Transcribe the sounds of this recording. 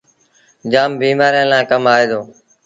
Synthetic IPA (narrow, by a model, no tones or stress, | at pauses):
d͡ʒaːmbiːmaːɾjãːlãːkəmaːeːd̪oː